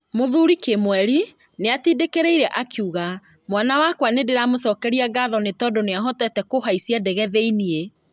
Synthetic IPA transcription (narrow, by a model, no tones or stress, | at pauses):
moðuɾikemwɛɾi | neatiːdekeɾeiɾɛʔakʰjuːɣa | mwanawakwanedeɾamosɔːkɛɾiaɡaðɔnetɔdoneaɦɔtɛtɛkoɦaisiadɛɣɛðeinie